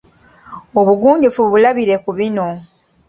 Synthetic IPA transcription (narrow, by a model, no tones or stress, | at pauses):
oβuɡuːɲɟufuβulaβiɾe̞kuβino̞